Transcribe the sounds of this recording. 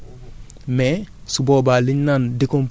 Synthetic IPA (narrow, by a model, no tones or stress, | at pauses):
mɛsuboːbaliɲnandikomp